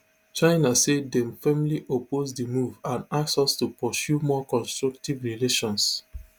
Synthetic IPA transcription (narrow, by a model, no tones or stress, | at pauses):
t͡ʃaɪnasedɛ̃mfɛmliʔopʰozdəmuvãnaksɔstupɔsjumɔkɔ̃nstɹuk̚tivɹileʃɔ̃ns